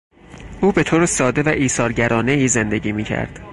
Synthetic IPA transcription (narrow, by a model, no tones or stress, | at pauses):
ʔuːbe̞t̪ʰoːɾesɒːd̪e̞væʔiːsɒːɾɟæɾʔɒːne̞iːze̞nd̪e̞ɟiːmiːcʰæ̰ɾd̪̥